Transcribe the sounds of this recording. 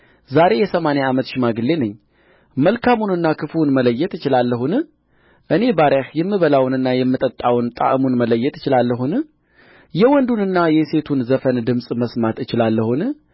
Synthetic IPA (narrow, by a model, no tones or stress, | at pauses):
zaɾe̞jɛsəmanaamət̪ʃɪmaɡɨlːe̞nɨɲː | məlkʰamunɨnːakʰɨfunmələjːɛt̪ɨt͡ʃɪlalːəɦun | ʔɨne̞baɾahjɛmːɨβəlawnɨnːajɛmːɨt̪ʼət̪ʼːawnt̪ʼa̰ʔɨmunmələjːɛt̪ɪt͡ʃɪlalːəɦun | jɛwɔnd̪unɨnːajɛse̞t̪ʰunzəfənd̪ɨmsʼməsmat̪ɨt͡ʃɪlalːəhun